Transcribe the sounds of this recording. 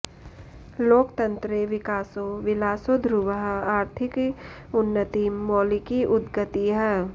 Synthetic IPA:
loːkt̪ɐ̃nt̪ɾeʋɪkaːsoʋɪlaːsod̪ʱɾuʋəɦaːɾt̪ʰɪk | ʊnːət̪imɔːlikiʔʊd̪ɡət̪iɦɛː

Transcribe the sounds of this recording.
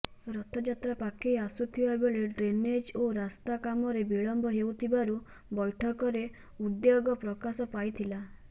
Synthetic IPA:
ɾɔt̪ʰɔd͡ʒat̪ɾapakʰijasut̪ʰibabɔɭeɖɾened͡ʒoɾast̪akamɔɾebiɭɔmbɔɦeut̪ʰibaɾu | bɔjʈʰɔkɔɾe | ud̪joɡɔpɾɔkasɔpajt̪ʰila

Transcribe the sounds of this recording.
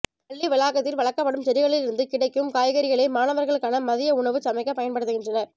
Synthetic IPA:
pɐɭːiʋɪlaːkɐt̪ːɪlʋɐɭɐkːɐpːɐɽɯmsɐɾɪɣɐɭɪlɪɾɯnd̪ɯkɪɽɐɪkːɯmkaːjɐɣɐɾɪɣɐɭeɪmaːnɐʋɐɾɣɐɭɯkːaːnɐmɐðɪjɐʊɳɐʋɯt͡ʃɐmɐɪkːɐpɐjɐnpɐɽɯt̪ːɯɣɪndrɐnɐɾ

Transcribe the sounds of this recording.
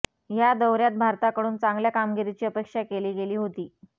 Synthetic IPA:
jad̪əwɾjat̪̚bʱaɾt̪akəɽuːnt͡sãŋɡljakamɡiɾit͡ɕiːəpekʂakeliːɡeliːɦot̪iː

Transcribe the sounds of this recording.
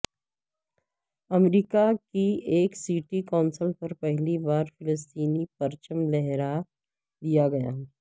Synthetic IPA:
ɐmɾiːkakieːksiːʈikaːnsəlpɐɾpɛɦlibaːɾfɪləst̪iːnipɐɾt͡ʃəmlɛɦɾa | d̪ijaɡɐja̰ːɦ

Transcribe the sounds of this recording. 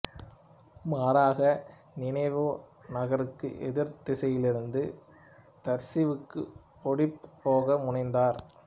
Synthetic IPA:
maːɾaːɣɐ | nɪnɐɪʋoːnɐɣɐɾɯkːɯ̰ʔɛðɪɾt̪ɪsɐjɪlɪɾɯnd̪ɯ | t̪ɐɾsɪʋɯkːɯ | pɔɽɪpːoːɣɐmʊɳɪnd̪aːɾ

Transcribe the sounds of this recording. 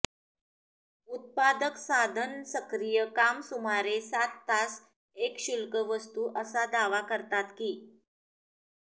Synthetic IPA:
ut̪̚pad̪əksad̪ʱənsəkɾijəkamsumaɾesat̪ːas | ekɕulkəʋəst̪uʔəsad̪aʋakəɾt̪at̪kiː

